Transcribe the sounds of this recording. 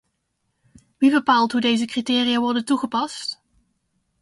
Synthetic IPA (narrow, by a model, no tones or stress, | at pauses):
ʋibəpaːlˠtɦudejzəkritɪːrijaʋɔɹdəntuχəpɑst